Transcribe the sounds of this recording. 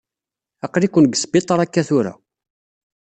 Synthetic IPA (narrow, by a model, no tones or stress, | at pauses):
ɑqɾikʷːʊnɡsbit̪ˤəɾˤækːæθʊɾa̰